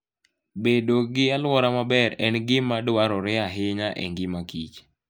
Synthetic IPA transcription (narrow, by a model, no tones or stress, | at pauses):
bedoɡɪalwɔɾamabɛɾɛnɡɪmadwaɾɔɾɪaɦɪɲaʔɛ̰ŋɡɪmakit͡ʃ